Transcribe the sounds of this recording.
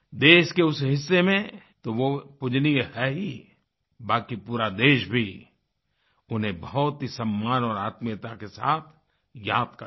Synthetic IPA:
d̪eːʃkeʊsɦɪsːemẽ | t̪oʋopʊd͡ʒnieɦɛːɦi | baːkipuːɾad̪eːʃbʱi | ʊnɦẽbɐɔt̪ɦisɐmːaːnɔːɾaːt̪mijət̪akesaːt̪ʰ | jaːd̪̚kə

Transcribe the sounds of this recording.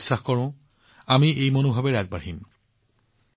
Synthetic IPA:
sːaxkɔɹʊ̃ | amiejmonobʱabɛɹaɡ̚baɹɦim

